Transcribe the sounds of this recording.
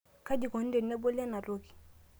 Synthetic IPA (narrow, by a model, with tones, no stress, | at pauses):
ka˦d͡ʒi˨kɔ˨n̩˦dɛ˨nɛ˦bɔ˦la˦na˨ɾo˦ki̥˨